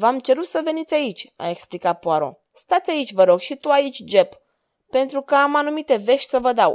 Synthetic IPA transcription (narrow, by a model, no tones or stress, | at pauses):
vamt͡ʃe̞ɾut̪səve̞nit̪sʲait͡ʃʲa̰eksplikat̪̚poaɾo̰ | st̪at̪sʲait͡ʃʲvəɾo̞ɡʃit̪uait͡ʃʲd͡ʒe̞pː | e̞nt̪ɾukəamanumit̪e̞ve̞ʃt̪ʲsəvəd̪aw